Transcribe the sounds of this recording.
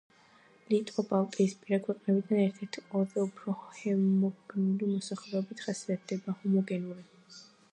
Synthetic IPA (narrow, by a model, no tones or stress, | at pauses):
lit̪ʼqʼɔpʼalˠkʼɛispʼiɾakʰwɛqʼnɛbid̪anɛɾt̪ʰɛɾt̪ʰiqʼɔd̪aupʰɾɔhɛmɔɡɡnulimɔsaχlɛɔbit̪ʰχasiat̪̚ʰd̪̥ɛbahumɔɡɛnuli